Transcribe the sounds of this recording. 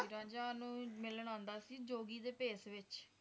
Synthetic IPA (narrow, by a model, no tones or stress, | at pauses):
iːɾãːɲd͡ʒaːnũːmɪlɳãːnd̪aːsiːd͡ʒoːɡiːd̪eːpeːsʋɪt͡ʃ